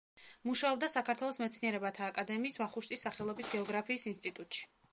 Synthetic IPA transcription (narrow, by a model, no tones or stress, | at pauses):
muʃaɔbd̪asakʰaɾt̪ʰwɛlˠɔsmɛt̪sʰniɛɾɛbat̪ʰaːkʼad̪ɛmiːsvaχuʃt̪ʼisːaχɛlˠɔbisɡɛɔɡɾapʰiːsinst̪ʼit̪ʼut̪ʼʃi̥